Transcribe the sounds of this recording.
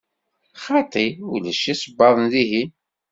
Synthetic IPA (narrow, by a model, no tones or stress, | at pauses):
χɑt̪ˤiulæʃisəbːɑðˤnðiɦi